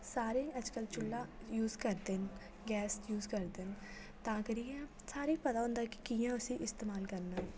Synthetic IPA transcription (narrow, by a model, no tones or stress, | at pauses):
saːɾẽʔəd͡ʒkəlt͡ʃʊlːaːjuːzkəɾd̪ɪn | ɡɛːsjuːzkəɾd̪ɪn | t̪ãːkəɾiːɛ̃ː | saːɾiːpət̪aːɦʊ̃nd̪aːkɪ̥kiːjãːʊsĩːʔɪst̪eːmaːlkəɾnaː